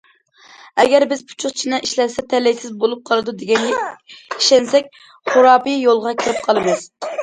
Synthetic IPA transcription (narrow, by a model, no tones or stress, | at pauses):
ɛɡʲɛɾbɪz̥pʰu̥t͡ʃʰuχt͡ʃʰinɨʔiʃlɛɾsɛt̪ʰɛlɛjsɪzbolˠup̚qʰɑlˠɨd̪ud̪eɡʲɛn | iʃɛnsɛk̚ʲ | χʊɾɑːpɨjolˠʁɑkʲʰiɾɪp̚qʰɑlˠɨmɨz̥